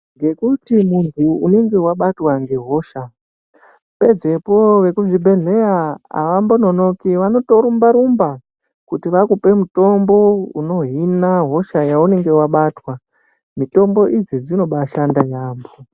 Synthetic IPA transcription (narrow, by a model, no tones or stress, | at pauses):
ŋɡe̞kutimuntʰuːne̞ŋɡe̞waɓatwaŋɡe̞ɦo̞ʃa | pe̞d͡ze̞po̞ʋe̞kuʐibʱe̞ɮe̞ɾaa̰ʋambono̞no̞kiʋano̞to̞ɾumbaɾumba | kutiʋakupe̞muto̞mbo̞uno̞ɦinaɦo̞ʃajaune̞ŋɡe̞waɓatwa | mito̞mbo̞ʔid͡zid͡zino̞ɓaʃandajaːmbo